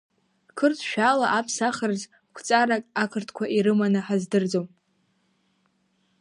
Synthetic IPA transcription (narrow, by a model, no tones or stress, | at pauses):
kʰɨrtʰʃᶣalaʔapʰsaχərz | kʷʰt͡sʼaɾakʼakʰɨrtʰkʷʰaʔiɾɨmanɨħazdɨrd͡zom